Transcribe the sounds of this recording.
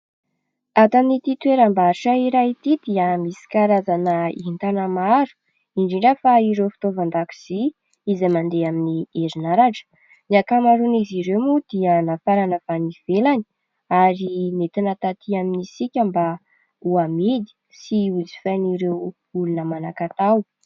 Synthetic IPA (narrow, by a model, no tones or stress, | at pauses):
at̪amnit̪it̪ueɾambaʈ͡ʂaiɾait̪id̪iəmisi̥kaɾazanəḭhint̪anamaɾu̥ | iɳɖ͡ʐeɳɖ͡ʐafaiɾewfi̥t̪ovand̪aki̥z̥i | izamand̪eaminieɾinaɾaɖ͡ʐə̥ | niakamaɾuniziɾewmud̪iənafaɾanəvaniv̥elani̥ | aɾinet̪inat̪at̪iaminisikʲamba | uamid̪i̥ | siuzi̥faniɾew | ulunəmanakat̪aw